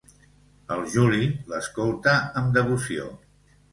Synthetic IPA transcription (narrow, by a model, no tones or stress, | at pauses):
əlˠʒuliləskolˠt̪əəmd̪əβusio̰